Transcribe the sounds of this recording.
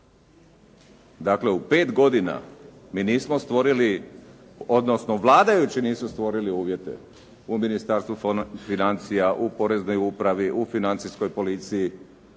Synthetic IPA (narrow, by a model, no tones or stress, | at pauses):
d̪akle̞upe̞ːt̪ɡo̞d̪ina̰miːniːsmost̪ʋo̞ɾili | od̪no̞snoʋlˠaːd̪ajut͡ɕiniːsmust̪ʋo̞ɾiliuːʋje̞t̪e̞̰ | uminist̪aːɾst̪ʋufinant̪sijaʔupo̞ɾe̞zno̞jupɾaʋiʔufinant̪sisko̞jpo̞lit̪siji